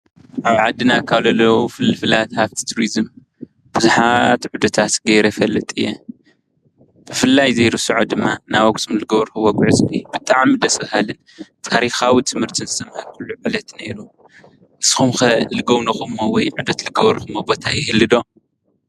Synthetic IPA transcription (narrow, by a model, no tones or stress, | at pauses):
ʔaβʕad̪ɨnakʰaβlɐlːowufɨlːɨfɨlat̪haft̪ʰi̥t̪ʰuɾizɨm | b̥ɨzuħat̪ʕud̪ɐt̪ʰat̪ɡɐɾɐfɐlːɨt̪ʼɨjːɛ̰ | b̥ɨfɨlːajzejɾusɨʕod̪ɨmːanawɐk̚t̪ʼɨmlɨɡɐβɐɾxuwɐɡʕɨzib̥ɨt̪ʼaʕmid̪ɐsɨβhalɨn | t̪ʰaɾixawit̪ʰɨmhɨɾt̪ʰinzɨsɐmhɐɾkʰulːuʕɨlɐt̪neɾu | ʔɨsxumxɐlɨɡɐwnɐxumːowɔjʕud̪ɐt̪lɨɡɐβɐɾxumobo̞t̪ʰajɪhɨlːɨd̪o̞